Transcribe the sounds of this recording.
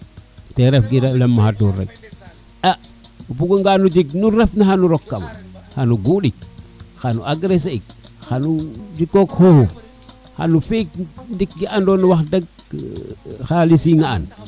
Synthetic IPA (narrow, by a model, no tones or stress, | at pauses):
teɾefɡiɾelemːahatuɾḛɡ̚ | aupuɡoŋɡanud͡ʒiknuɾefnaxanuɾokːama̰xanuɡuɗik̚xanṵaɡɾeseik̚xanud͡ʒikːokhohu | xa̰nufik̚ndik̚ɡiandoːnuwaxdaɡ̚ | xalisiŋa̰ːn